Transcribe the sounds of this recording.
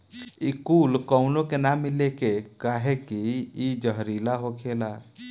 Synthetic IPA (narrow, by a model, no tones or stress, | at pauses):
ikulkɔʊnokenamːɪlekekaɦekiid͡ʒəɦɾilaɦokʰela